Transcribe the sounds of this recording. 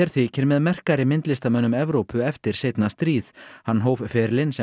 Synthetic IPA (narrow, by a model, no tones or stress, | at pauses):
ɛɾ̥θvicʰɛɾmɛðmɛr̥kaɾɪmɪnt̪lɪst̪amɛnːʏmɛvɾowpʏɛft̪ɪɾ̥seːjt̪nast̪ɾiːθhanːɦoːwvfɛːɾlɪnsɛ